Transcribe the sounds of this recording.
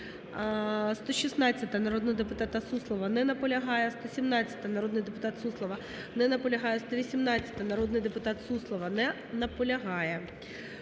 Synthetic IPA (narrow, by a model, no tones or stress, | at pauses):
st̪ɔʃisnɑt͡sʲːɐt̪ɐnɐɾod̪nɪjd̪epʊt̪ɑt̪ɑt̪suslˠɔʋɐnɛnɐpɔlʲɐɦɑjɛst̪ɔsʲimnɑt͡sʲɐ̥t̪ɐnɐɾod̪nɪjd̪epʊt̪ɑt̪suslˠɔʋɐ | nɛnɐpɔlʲɐɦɑjɛst̪ɔʋʲisʲimnɑt͡sʲːɐ̥t̪ɐnɐɾɔd̪nɪjd̪epʊt̪ɑt̪suslˠɔʋɐnɛ | nɐpɔlʲɐɦɑjɛ